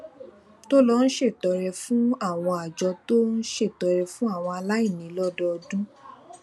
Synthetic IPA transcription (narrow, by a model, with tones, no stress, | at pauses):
to˦lɔ˦n̩˦ʃe˦˨tɔ˨˧ɾɛ˧fũ˦a˦˨w̃ɔ̃˧a˨d͡ʒɔ˧to˦n̩˦ʃe˦˨tɔ˨˧ɾɛ˧fũ˦a˦˨w̃ɔ̃˧a˧la˦i˦˨nĩ˨˦lɔ˦dɔ˦ɔ˧dũ˦